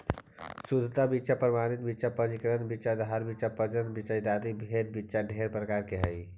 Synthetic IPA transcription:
sud̪ʱt̪abitːt͡ʃapɾəmanit̪̚bitːt͡ʃapəd͡ʒikəɾənbit͡ʃad̪ɦaɾbit͡ʃapəd͡ʒənbit͡ʃaid̪ad̪ibʱed̪̚bitːt͡ʃaɖʱeɾpɾəkaɾkeɦəj

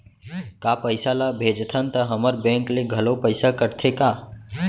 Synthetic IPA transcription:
kapəɪsalabʱeːd͡ʒt̪ʰənt̪əɦəməɾbɛ̃ːŋkleɡʱəlopəɪsakəɾt̪ʰekaː

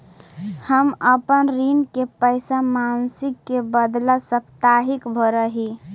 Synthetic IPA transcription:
həməpənɾinkepəɪsamansɪkːebəd̪lasəpʰt̪aɦikbʱoɾəɦi

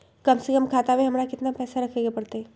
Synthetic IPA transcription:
kɐmsekəmkʰaːt̪aweɦɐmɾakɪt̪napɛːsaɾɐkʰeɡepɐɽt̪eɦɛː

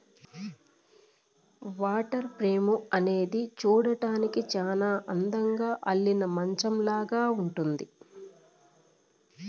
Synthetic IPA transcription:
ʋaːʈɐɾpɾe̞ːmuɐne̞ːd̪it͡ʃuːɽɐʈaːnikit͡ʃaːnaːʔɐnd̪ɐŋɡaːʔɐɭːinɐmɐɲt͡ʃɐmlaːɡaːuɳʈund̪i

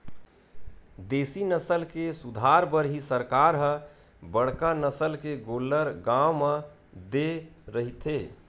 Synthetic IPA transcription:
d̪eːsinəsəlkesud̪ʱaɾbəɾɦisəɾkaɾɦə̃ | bəɽ̤kanəsəlkeɡoləɾɡawmə | d̪eɾəɦit̪ʰe

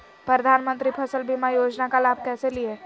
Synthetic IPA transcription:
pɾəd̪ʱaːnmə̃nt̪ɾipʰɐsəlbʱimajoːd͡ʒnakalaːbʱkɛːselie

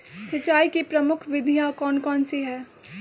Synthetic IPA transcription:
sɐt͡ʃːaːikipɾɐmʊkʰʋɪd̪ʱijakɔːnkɔːnseɦɛː

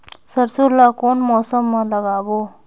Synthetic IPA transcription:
səɾsuɾlakonmɔsəmːaləɡabo

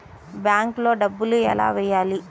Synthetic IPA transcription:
bjaːŋklo̞ːɖɐbːuluɛ̰la̰ːʋɛjːaːli

